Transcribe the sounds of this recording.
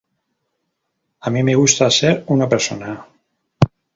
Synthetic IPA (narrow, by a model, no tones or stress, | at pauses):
amimeɣust̪aseɾunapeɾsona